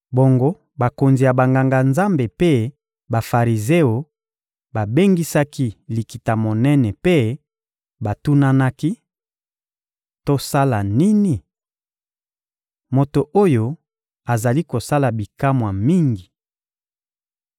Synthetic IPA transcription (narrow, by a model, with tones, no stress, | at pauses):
bo˨ŋɡo˦ | ba˨ko˨nzi˨ja˨ba˨ŋɡa˨ŋɡa˨nza˦mbe˨pe˦ | ba˨fa˨ʁi˨ze˦o˨ | ba˨be˦ŋɡi˦sa˦ki˦li˨ki˨ta˨mo˨nɛ˦nɛ˨pe˦ | ba˨tu˦na˦na˦ki˦ | to˦sa˦la˨ni˦ni˨ | mo˨to˨ʔo˦jo˨ | a˨za˨li˦ko˨sa˦la˨bi˨ka˦mwa˨mi˦ŋɡi˨